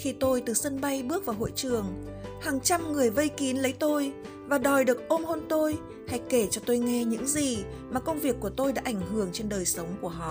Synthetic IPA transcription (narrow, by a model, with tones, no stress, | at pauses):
xi˧˩t̪o˧jt̪ɨ˨˩sə˧nɓa˧jɓɨ˦˥ək̚v̥aː˨˩wɦo̰˧˨jt͡ɕɨ˨˩əŋ | haː˨˩ŋt͡ɕa˧mŋɨ˨˩əjvə˧jki˨˦nlə˨˦jt̪o˧j | vaː˨˩ɗɔ˨˩jɗɨ˨˩ək̚ʔo˧mho˧nt̪o˧j | ha˧jke˧˩t͡ɕɔ˧t̪o˧jŋɛ˧ɲɨ̰˧˥ŋzi˨˩ | maː˨˩kə˧wŋ͡mvi˨˩əkːu˧˩ət̪o˧jɗa̰ː˧˥ʔa˧˩jŋ̟ɦɨ˧˩əŋt͡ɕe˧nɗəː˨˩jsə˨˦wŋ͡mku˧˩əɦɔ̰˧˨